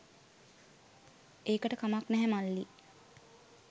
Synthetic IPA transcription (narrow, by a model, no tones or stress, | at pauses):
eːkəʈəkamaknɛɦɛmalːi